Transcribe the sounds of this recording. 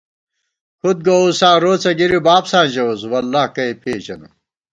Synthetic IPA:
kʰud̪̚ɡousãːɾoːt͡sɐɡiɾibaːbsãːʑɐwoswɐlːaːhkɐepʰeːd͡ʑɐnṵ

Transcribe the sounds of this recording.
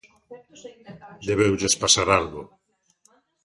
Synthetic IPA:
d̪eβewʎespasaɾalɣo

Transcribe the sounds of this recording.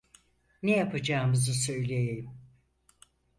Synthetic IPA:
nejapʰad͡ʒaːmɯzɯsø̞jlʲejejim

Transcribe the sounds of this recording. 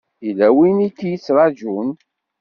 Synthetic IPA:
ilæwinikːjit͡sːɾˤɑd͡ʒun

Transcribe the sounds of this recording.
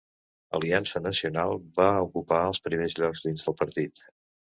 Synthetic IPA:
ə̰liansənəsiunalˠbaukupaəlˠspɾimezʎɔɡzðinzðəlˠpəɾt̪it̪

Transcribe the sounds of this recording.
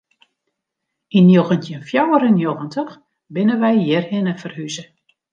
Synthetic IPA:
injoɣəntjənfjawəɾənjoɣəntəx | bɪnəʋɛjjɛrhɪnəfərhyzə

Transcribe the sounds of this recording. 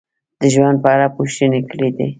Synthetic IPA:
d̪̥əʒwand̪̚pəaɽapoʃt̪ənekəɽed̪ḛ

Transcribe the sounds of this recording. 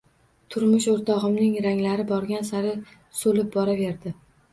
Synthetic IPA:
t̪ʰʊɾmʊʃoɾt̪ʰɒʁɨmnɪŋɾaŋlaɾɪbɒɾɡʲansaɾɪ | solɪp̚bɒɾave̞ɾd̪ɪ

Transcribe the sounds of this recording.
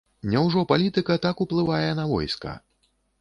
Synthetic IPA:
nʲɛwʐɔpalʲit̪ɨkɐt̪akuplˠɨvajɛnɐvɔ̰jskɐ̰

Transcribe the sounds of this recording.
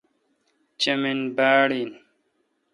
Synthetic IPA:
t͡ɕɐminbaːɽin

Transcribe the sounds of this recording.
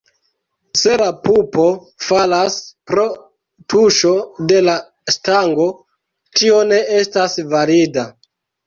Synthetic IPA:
se̞lapupo̞ | falaspɾo̞ | tʰuʃo̞de̞la | staŋɡo̞ | tio̞ne̞estasvaɾida

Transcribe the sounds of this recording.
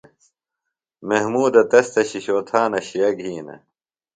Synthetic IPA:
meɦmuːd̪ɐt̪ɐst̪ɐɕiɕoːt̪ʰaːnɐɕijɐɡʱiːnɐ̰

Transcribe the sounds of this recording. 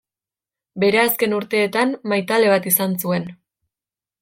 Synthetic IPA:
be̞ɾeaske̞nuɾt̪e̞ːt̪anmajt̪ale̞β̞at̪isansue̞n

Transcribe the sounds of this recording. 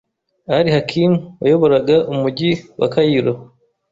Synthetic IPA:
aɾihakʰinuwa̰joβo̞ɾaɡaʔumuɟiwa̰kajiɾo

